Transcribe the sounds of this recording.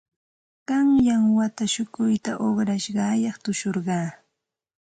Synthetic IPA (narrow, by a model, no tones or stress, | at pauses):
ɢ̥ɑŋjaŋwat̪aʃʊkʊjt̪aʔoχɾaʃɢɑːjɑχt̪ʊʃoɾɢɑː